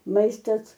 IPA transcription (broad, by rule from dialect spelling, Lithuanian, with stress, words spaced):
ˈmɐɪstɐs